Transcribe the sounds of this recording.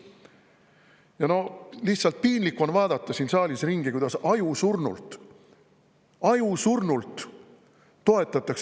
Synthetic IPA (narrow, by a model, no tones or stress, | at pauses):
jɑno̞lihtsɑlt̪̚piːnlikːˑuo̞nvɑːd̪ɑt̪ːˑɑsiːnsɑːlʲisriŋɡ̥ikujd̪ɑsɑjusurnṵlt̪ | ɑjusurnult̪ː | o̞et̪ːˑɑt̪ːˑɑks